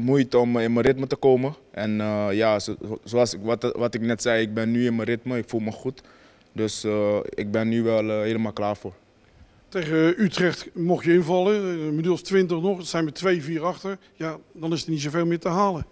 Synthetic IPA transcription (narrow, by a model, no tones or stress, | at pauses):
mujtəɔmɪnməɾɪtmətəkoːməʔɛnəjaszoɑsʋʋɑtɪknɛtsɛjɪɡ̚bɛnːyɪnməɾɪtməɪkfulˠməχut | dɵsəɪɡ̚bɛnːyʋɛlˠɦeːləmaːlˠklaːɹvoːɹ | tejχəytrɛχtmɔχjəɪnvɑlˠəmədylˠstʋɪntəχnɔχsɛjnʋətʋejviːɹɑχtəɹ | jadɑnɪsənits̬oveːlˠmɪːɹtəɦaːlə